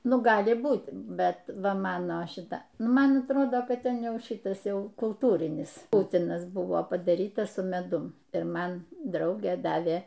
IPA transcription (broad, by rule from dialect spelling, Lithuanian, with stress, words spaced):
ˈnʊ ˈɡɑːlʲɪ ˈbuːtʲ ˈbʲɛt ˈʋɐ ˈmɑːnoː ˈʃʲɪtɐ ˈnʊ ˈmɐn ɐtˈroːdoː ˈkɐt ˈtʲɛn ˈjɛʊ ˈʃʲɪtɐs ˈjɛʊ kʊlˠˈtuːrʲɪnʲɪs ˈpʊtʲɪnɐs ˈbʊʋoː pɐdɐˈrʲiːtɐ sʊ mʲɛˈdʊm ɪr ˈmɐn ˈdrɐʊɡʲeː ˈdɑːʋʲeː